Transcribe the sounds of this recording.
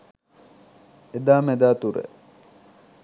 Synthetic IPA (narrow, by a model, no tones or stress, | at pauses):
ed̪aːmed̪aːt̪uɾə̰